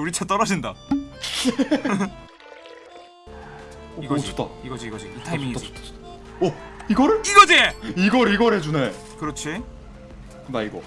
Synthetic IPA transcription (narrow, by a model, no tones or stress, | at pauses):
uɾit͡ɕʰat͈ʌɾad͡ʑinda | iɡʌot̪͈ʰaiɡʌd͡ʑiiɡʌd͡ʑiitʰaimiŋia | ʌiɡʌɾɯiɡʌd͡ʑiiɡʌɾiɡʌɾɦed͡ʑune | kɯɾʌt͡ɕʰi | daiɡʌ